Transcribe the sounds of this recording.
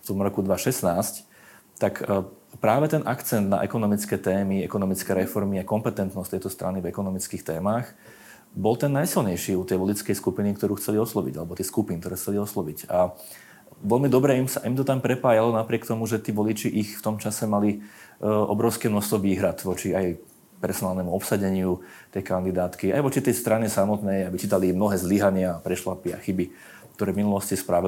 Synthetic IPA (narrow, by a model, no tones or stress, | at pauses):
ft̪ɔmɾɔkud̪ʋaʃɛsnaːsc | t̪akpɾaːʋɛt̪ɛnʔakt͡sɛnd̪na̰ʔɛkɔnɔmit͡skɛːt̪ɛːmiɛkɔnɔmit͡skɛɾɛfɔɾmiakɔmpɛt̪ɛnt̪nɔsct̪ɛjt̪ɔst̪ɾanivɛkɔnɔmit͡skiːxt̪ɛːmaːx | bɔlt̪ɛnːajsilɲɛjʃiːut̪ɛjʋɔlit͡skɛjskupinikt̪ɔɾuːxt͡sɛliɔslɔʋḭɟalɛbɔt̪iskupink̚t̪ɔɾɛːxt͡sɛliɔslɔʋica | ʋɛlmid̪ɔbɾɛimsaimt̪ɔt̪ampɾɛpaːjalɔnapɾɪɛkt̪ɔmuʒɛt̪iːʋɔlit͡ʃiʔixft̪ɔmt͡ʃasɛmali | ʔɔ̰bɾɔʊskɛːmnɔxst̪ʋɔʋiːɦɾat̪ʋɔt͡ʃiaj | pɛɾsɔnaːlˠnɛmuɔpsaɟɛɲɪu | t̪ɛjkand̪id̪aːt̪kia̰jʋɔt͡ʃit̪ɛjst̪ɾanisamɔt̪nɛjabit͡ʃiːt̪alimnɔɦɛːzliɦaɲɪaːpɾɛʃlapia̰xibi | k̚t̪ɔɾɛːvminulɔscispɾaʋi